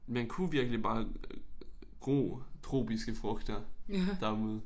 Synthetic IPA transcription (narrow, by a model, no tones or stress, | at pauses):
mænkʰuʋiɐɡ̥əlib̥ɑ̈ː | ɡ̥ʁo̰ːt͡sʰʁo̝̰ːb̥isɡ̥əfʁɔɡ̥d̥ɐd̥æɐmo̝ð̰ˠ